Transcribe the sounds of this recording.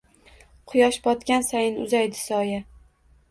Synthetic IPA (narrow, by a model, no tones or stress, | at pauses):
qʰʊjɒʃbɒt̪kʲansajɪnʊ̰zajd̪ɪsɒja